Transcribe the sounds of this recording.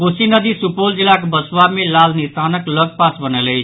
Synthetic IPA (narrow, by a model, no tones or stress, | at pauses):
kosinʌd̪isupold͡zilːakobʌswamelalnist̪ʰanʌklʌɡ̚pasbʌnelej